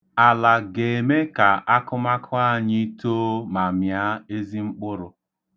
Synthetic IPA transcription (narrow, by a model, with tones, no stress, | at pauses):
a˨la˨ɡe˨e˨me˦ka˨ʔa˦kʊ˦ma˦kʰʊ˦a˦˨ɲi˦to˦ma˨mja˦e˦zi˦ŋ͡m̩˦k͡pʊ˦ɾʊ˨